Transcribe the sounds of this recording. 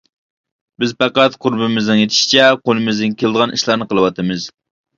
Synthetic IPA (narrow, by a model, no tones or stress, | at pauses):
bɪzpæqæt̪qʰʊɾbɪmɪznɨŋjet̪ʰɪ̥ʃi̥t͡ʃʰɛqʰolˠɨmɪzd̪ɪnkʲʰelɨd̪əʁɑnḭʃlˠɑɾnɨqʰəlˠɨwɑt̪ʰɨmɨz̥